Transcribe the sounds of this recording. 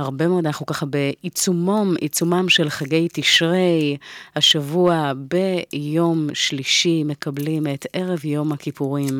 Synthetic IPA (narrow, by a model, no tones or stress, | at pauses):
aʁbe̞meod̪anaχnukaχabeit͡sumomʔḭt͡sumamʃe̞lχaɡe̞jtiʃʁejhaʃavuabe̞jo̞mʃliʃime̞kablimete̞ʁevjo̞mhakipuʁim